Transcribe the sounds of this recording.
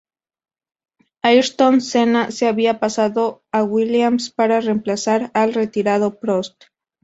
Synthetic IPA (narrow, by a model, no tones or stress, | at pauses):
ajɾt̪onsenaseaβiapasaðoawiljamspaɾare̞mplasaɾalre̞t̪iɾað̞opɾo̞st̪